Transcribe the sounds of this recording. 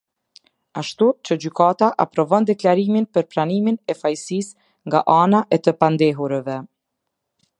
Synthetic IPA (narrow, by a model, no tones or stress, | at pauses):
aʃt̪ut͡ɕəd͡ʑykat̪aʔapɾɔvɔnd̪ɛklaɾiminpəɾpɾaniminɛfajsis | ŋɡa̰ʔanaʔɛt̪əpand̪ɛɦuɾɛvɛ